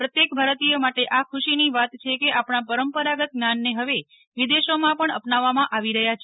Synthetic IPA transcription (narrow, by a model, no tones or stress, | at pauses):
pɾət̪jekbʱaɾət̪ijomaʈeʔakʰʊʃiniʋat̪t͡ʃʰekeʔapɳapəɾəmpəɾaɡət̪̚ɡnanːeɦəʋe | ʋid̪eʃomãpəɳəpnaʋːamãʔaʋiɾəɦjat͡ʃʰe